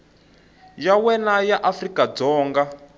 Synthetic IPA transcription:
jawɛnajaʔafrikad͡zɔːŋɡa

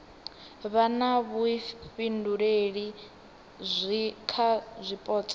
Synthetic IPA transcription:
βanaβuɸinduɺeɺi | zʷikʰazʷipʼɔːt͡sʼḁ

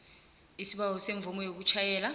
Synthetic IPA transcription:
isiɓawɔseɱvumɔjok̬ut͡ʃʰajɛːla

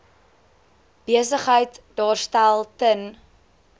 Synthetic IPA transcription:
b̥iəsəχɦəjtdɑːrstælˠtən

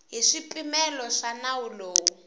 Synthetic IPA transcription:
ɦiʂipʼimɛlɔʂanawuloːwu

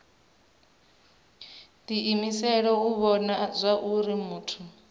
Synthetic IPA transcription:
diʔimisɛɺɔuβɔnazʷaʔuɾimuːtʰu

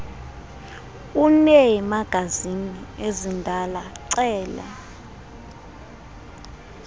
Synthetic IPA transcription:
unɛjimaɡ̥ʱaziniezindʱalaǀɛːlɛ̰

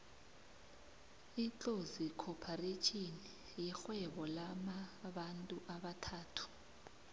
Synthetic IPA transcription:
int͡ɬʼozikʰɔpʰaret͡ʃʰini | jixwɛɓɔlamaɓantʼuʔaɓatʰaːtʰu̥

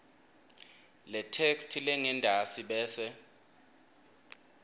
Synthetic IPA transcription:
lɛtʰekstʰilɛŋɛndʱasiɓɛːsɛ

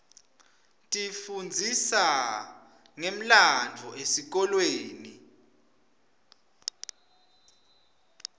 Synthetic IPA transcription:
tʼifund͡zʱisa | ŋem̩land͡vʱɔesik̬ɔlweːni

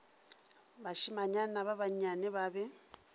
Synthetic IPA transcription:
βaʃimaɲanaβaβaɲaneβaβe

